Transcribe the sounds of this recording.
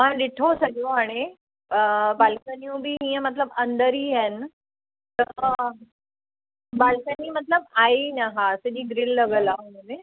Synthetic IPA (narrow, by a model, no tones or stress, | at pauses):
ɦãɖ̪iʈʰosəɡoaɽ̃i | balkənijũbʱiːɦĩjẽmət̪̬ləbənd̪əɾiːɦɛn | t̪ə | balkəniːmət̪ləbainaɦaːsed͡ʑiːɡɾilːəɡəlaɦmune